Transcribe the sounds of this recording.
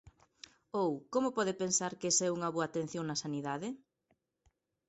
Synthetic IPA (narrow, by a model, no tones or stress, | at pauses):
owkomʊpɔðɪpensaɾkesɛuŋɐβoɐat̪ẽn̟θjoŋnɐsaniðaðɪ